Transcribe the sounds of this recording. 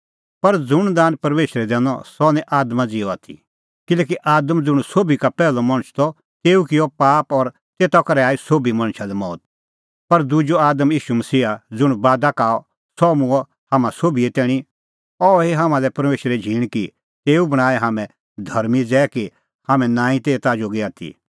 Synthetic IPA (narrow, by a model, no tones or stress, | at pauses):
pɐɾd͡zʊɽ̃d̪aːnpɐɾmeːʃɾɛd̪ɛ̃ːnɔ̰sɔːnɛ̃ʔaːd̪mad͡zɪɔat̪ʰḭ | kɪleːk̬iʔaːd̪əmd͡zʊɽ̃soːbikapɛːlɔmɐ̃ɽ̃t͡ʃʰt̪ɔ | t̪eːukɪɔpaːpɔɾ | t̪eːt̪akɐɾɛaːisoːbimɐ̃ɽ̃ʃʰalɛmɔːt̪̚ | pɐɾd̪ʊd͡ʒoaːd̪əmjiːʃumɐsiːad͡zʊɽ̃baːd̪akaːɔ | sɔmũɔ | haːmãsoːbiɛt̪ɛːɽ̃i | ɔɦeɦaːmãlɛpɐɾmeːʃɾɛd͡ʒʱiːɽ̃ki | t̪eːubɐɽ̃aːɛɦaːmɛ̃ | d̪ʱɐɾmid͡zɛːɛki | haːmɛ̃nãːĩt̪eːt̪ad͡ʒoːɡiaːt̪ʰḭ